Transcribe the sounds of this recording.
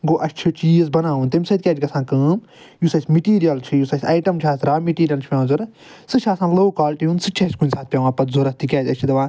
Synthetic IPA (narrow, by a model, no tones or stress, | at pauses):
ɡoːʔɐt͡ʃʰit͡ʃiːzbɐnaːũnt̪emʲsɐt̪̚ʲkʲɛːd͡ʒʲɡɐsãːkəːm | jusɐsʲmiʈiːɾijɐlt͡ʃʰijusɐsʲɐːjʈɐmt͡ʃʰaːsɾaːmiʈiːɾijɐlt͡ʃʰiãːzuɾ | sɨt͡ʃʰaːsãːnloːkaːlʈiũnsɨt͡ʃʰɐsʲkunʲsaːt̪̚pʲjaːãːpɐt̪zoɾɐst̪ikʲɛːd͡ʒʲɐt͡ʃʰid̪ɐʋãː